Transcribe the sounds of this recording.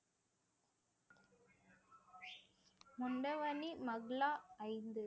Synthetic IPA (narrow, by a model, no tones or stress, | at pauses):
mʊɳɖɐʋɐnimɐɣɭaːɐɪnd̪ɯ